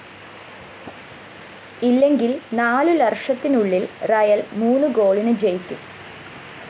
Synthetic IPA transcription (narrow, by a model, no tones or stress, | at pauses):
ilːe̞ŋɡilnaːlulɐrʂɐt̪ːinuɭːilrɐjɐlmuːnːuɡoːɭinɨd͡ʑejkʲːum